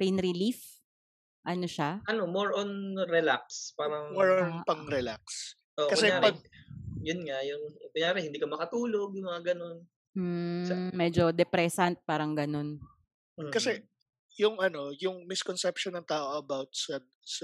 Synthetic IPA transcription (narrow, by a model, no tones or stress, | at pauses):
pejnɾɪlif | ʔɐnoʃaʔɐnomoɹʔonɾɛlak̚spaːɾɐŋmoɹonpɐŋɾɛlaks | ʔoʔkɐsɛaːɾpɐɡ̚jʊnŋajʊŋkʊjaːɾɛhɪnd̪iːkɐmɐkɐt̪uːloɡ̚jʊŋmɐŋaɡɐno̞n | m̩mɛd͡ʒo̞d̪ɛpɾɛsɐnt̪̚paːɾɐŋɡɐno̞n̩ | kɐsɛ | jʊŋʔɐno̞jʊŋmɪskɔnsɛpʃɔnɐŋt̪aːʔoʔɐbawt̪̚sɐ | sɐ